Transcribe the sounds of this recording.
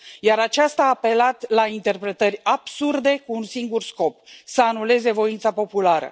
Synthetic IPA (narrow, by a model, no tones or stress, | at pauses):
jaɾat͡ʃast̪aːpe̞lat̪laint̪e̞rpɾe̞t̪ərʲab̥surd̪e̞kuːnsiŋɡursko̞p̚səanule̞ze̞vo̞int̪sapo̞pulaɾə̰